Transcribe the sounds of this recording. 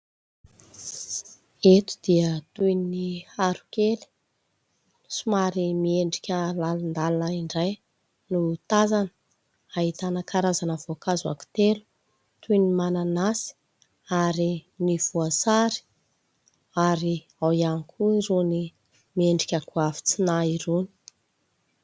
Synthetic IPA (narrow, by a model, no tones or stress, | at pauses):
et̪u̥d̪̥iət̪ujniaɾukeli̥ | sumaɾimieɳɖ͡ʐikʲəlalund̪alnaiɳɖ͡ʐaj | nut̪azanə̥ | aɦit̪anakaɾazanəvokazua̰ku̥t̪elu̥ | t̪ujnimananasi̥ | aɾiniv̥uasaɾi̥ | aɾi | awianikʰuiɾuni | mieɳɖ͡ʐikʲəkuafi̥t͡sinaiɾuni̥